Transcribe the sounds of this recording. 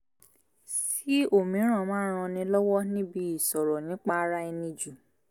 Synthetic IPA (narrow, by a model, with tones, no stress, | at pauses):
s | i˦o˦˨mĩ˨˦ɾ̃ã˦˨mãː˨˦ɾ̃ã˧nĩ˧lɔ˦wɔ˦nĩ˦bi˧i˦˨sɔ˨ɾɔ˨nĩ˨˦k͡pa˧˦ɾa˦i˧nĩ˧d͡ʒu˨